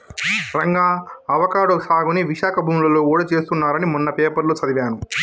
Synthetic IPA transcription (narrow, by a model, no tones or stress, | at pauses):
ɾɐŋɡaːɐʋɐkaːɽosaːɡuniʋiʃaːkʰɐbʱuːmilɐloːuːɽɐt͡ʃe̞ːst̪unːaːɾɐnimunːɐpeːpɐɾlot͡ʃɐd̪iʋjaːnu